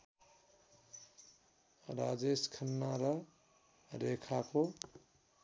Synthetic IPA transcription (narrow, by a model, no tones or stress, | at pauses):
ɾad͡ʒeskʰənːaɾʌ | ɾekʰako